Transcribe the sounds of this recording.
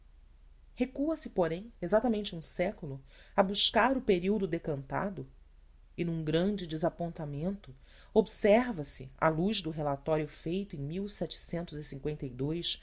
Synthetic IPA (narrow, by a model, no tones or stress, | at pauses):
hekuɐsɪpoɾẽj̃ezat̪amẽnt͡ʃɪũsɛkulʊ | abuʃkaɾʊpeɾiwd̪ʊd̪ekɐ̃nt̪a̰d̪ʊ | ɪnũɡɾɐ̃nd͡ʒɪd͡ʒɪzapõnt̪amẽnt̪ʊ | obsɛɾvɐsɪ̰a̰luʒd̪ʊɦelat̪ɔɾjʊfejt̪ʊẽj̃miwsɛt͡ʃɪ̥sẽnt̪ʊzisĩŋkwẽnt̪ejd̪ojʃ